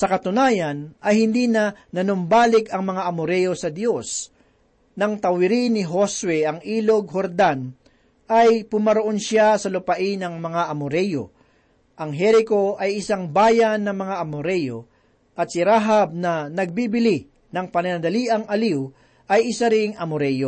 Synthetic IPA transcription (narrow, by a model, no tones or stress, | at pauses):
sɐkɐt̪ʊnaːjɐnɐjhɪnd̪iːnɐnɐnʊmbaːlɪkɐŋmɐŋaʔɐmʊɾɛjo̞sɐd̪jo̞s | nɐŋt̪ɐwɪɾinɪɦoswɛʔɐŋʔiːloɡ̚ɦoɾd̪an | ɐjpʊmɐɾoʔonʃasɐlʊpɐʔɪnɐŋmɐŋaʔɐmʊɾɛjo̞̰ | ʔɐŋɦɛɾɪko̞ʔɐjɪsaŋbaːjanːɐŋmɐŋaʔɐmʊɾɛjo̞ | ʔɐt̪̚sɪɾaːɦɐb̚nɐnɐɡ̚bibɪli | nɐŋpɐnɐnɐd̪ɐliːʔɐŋɐliw | ʔɐjʔɪsaɾɪŋʔɐmʊɾɛjo